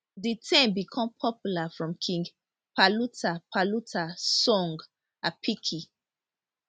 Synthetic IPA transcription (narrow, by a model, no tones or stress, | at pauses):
ditʰɛ̃mbikʰɔ̃mpʰɔpjulafɹɔ̃mkʰĩŋɡ | palutapʰalutʰasɔ̃ŋɡ | apʰikʰi